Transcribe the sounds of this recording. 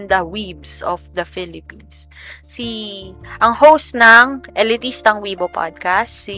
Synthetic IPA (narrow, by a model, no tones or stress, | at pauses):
nd̪ɐwibsɔfd̪ɐfɪlɪpins | siʔɐŋhowst̪nɐŋʔɛlɪt̪ist̪ɐŋwiːbopa̰d̪̚kast̪si